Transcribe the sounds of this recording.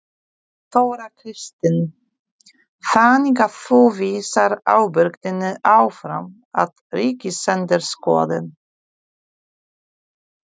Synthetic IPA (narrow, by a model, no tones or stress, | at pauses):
θowɾakʰɾɪst̪ɪn | faːnikaθowviːsaɾaːwbʏɾkt̪ɪnʏʔaːwfɾa̰m | a̰ð | ɾiːcɪsɛnt̪ɪɾskɔ̰ːðɪn